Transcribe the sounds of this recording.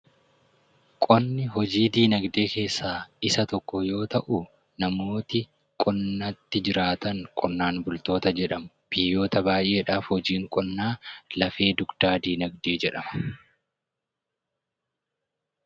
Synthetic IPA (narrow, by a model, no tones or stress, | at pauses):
kʼɔnːɪɦɔd͡ʒiːd̪iːnɐɡd̪e̞ːke̞ːsːaːɪsɐt̪ɔkːɔjo̞ːt̪ɐʔu | nɐmo̞ːt̪ɪ | kʼɔnːɐt̪ːɪd͡ʒɪɾaːt̪ɐŋkʼɔnːaːnbʊlt̪o̞ːt̪ɐd͡ʒɛᶑɐmʊ | b̥ɪjːo̞ːt̪ɐbaːjʔe̞ːᶑaːfhɔd͡ʒiːŋkʼɔnːaːlɐfe̞ːd̪ʊɡd̪̥aːd̪iːnɐɡ̚d̪eːd͡ʒɛᶑɐmɐ̥